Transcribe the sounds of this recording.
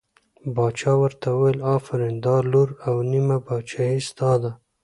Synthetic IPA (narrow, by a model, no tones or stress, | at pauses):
bɑt͡ʃɑwəɾt̪awəwejlɑfɪɾend̪ɑluɾawnimabɑt͡ʃɑisd̪ɑd̪a